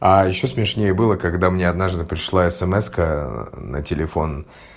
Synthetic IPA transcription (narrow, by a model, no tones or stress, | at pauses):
ajɪɕːo̞smʲɪʂnʲejəbɨlˠəkɐɡd̪amnʲeɐd̪naʐd̪ɨpɾʲɪʂlˠaɛsɛmɛskənə̰tʲɪlʲɪfo̞n